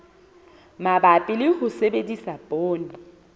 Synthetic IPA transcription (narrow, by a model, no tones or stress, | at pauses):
mabapʼɪlɪhʊsebedisapʼoːnɪ